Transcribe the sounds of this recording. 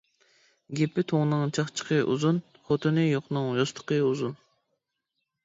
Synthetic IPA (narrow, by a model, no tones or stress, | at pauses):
ɡʲepɪt̪ʰoŋnɨŋt͡ʃʰɑχt͡ʃʰə̥qʰəʔṵzun | χot̪ʰɨnɨjoqnɨŋjost̪ʰə̥qəuzun